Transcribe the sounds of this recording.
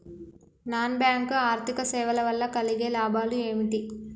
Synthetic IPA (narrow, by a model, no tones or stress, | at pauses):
naːnbjaːŋkaːɾt̪ʰikɐsɛːʋɐlɐʋɐlːɐkɐliɡeːlaːbʱaːlue̞ːmiʈi